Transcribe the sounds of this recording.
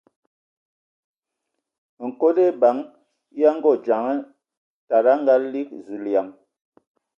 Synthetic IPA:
ŋ̩˨ko˦de˦ba˨˦ŋ | ja˦ŋ˦ɡɔ˦˨d͡ʒa˨ŋɛ˦ | ta˨ɾa˦ŋ˦ɡa˦li˦k̚zi˨lja˨ŋ

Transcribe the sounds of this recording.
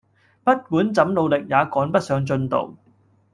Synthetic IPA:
pɐ˥t̚muː˨˥nt͡sɐ˨˥mlo˨˧wlɪ˨k̚jaː˨˧kɔː˨˥npɐ˥t̚sœː˨˧ŋt͡ʃɵ˧nt̪o̰˨w

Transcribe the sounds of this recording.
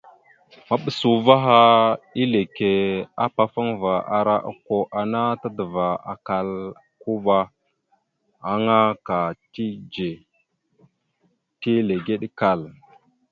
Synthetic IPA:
ma˨ɓə˨su˨va˦ɦa˦i˦le˨ke˨a˦pa˦fa˦ŋva˨ʔa˨ɾa˦ʔa̰˨ko˨ʔa˨na˦ta˦də˨va˨a˨ka˨l | ku˦ba˦ | a˨ŋa˦ka˨ti˦d͡ʒe˨ | ti˦le˨ɡe˦ɗka˨l

